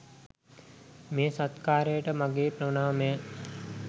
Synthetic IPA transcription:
meːsat̪kaːɾəjəʈəmaɡeːpɾəʋnaːmeː

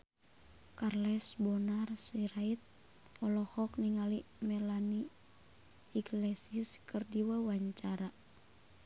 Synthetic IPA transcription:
karlɛsbɔnarsiɾait̪̚ | ɔlɔhɔk̚niŋalimɛlani | iɡlɛsiskərdiwawaɲt͡ʃaɾa

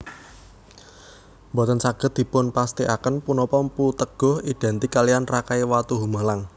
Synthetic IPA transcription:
mbɔt̪ənsaɡ̥ə̤t̪̚d̪̥i̤pʊnpast̪iʔakənpunɔpɔmput̪əɡ̥ɔ̤hiɖ̪̥ɛnt̪ikalijanrakaiwat̪uɦumalaŋ

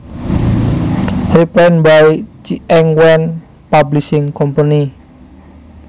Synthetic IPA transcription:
riplɛnbait͡ʃiɛŋwɛn | pablisɪŋkɔmpəni

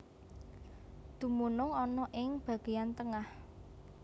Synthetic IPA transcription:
d̪̥ṳmunʊŋɔnɔʔɪŋb̥ä̤ɡ̥e̤jant̪əŋah

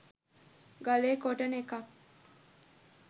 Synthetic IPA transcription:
ɡɐleːkoʈɐnekɐk

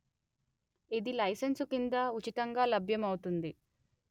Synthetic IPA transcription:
id̪ilɐjsɐnsukind̪ɐut͡ʃit̪ɐŋɡaːlɐbʱjɐmɐwut̪und̪i

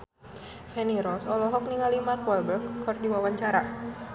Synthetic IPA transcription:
fɛniɾɔsɔlɔɦɔk̚niŋalimarkwɛlbərɡkɔrdiwawaɲt͡ʃaɾa

